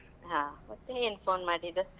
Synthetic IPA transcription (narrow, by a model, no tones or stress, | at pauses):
ɦãːmɐt̪ːeeːnpʰoːnmaːɽid̪u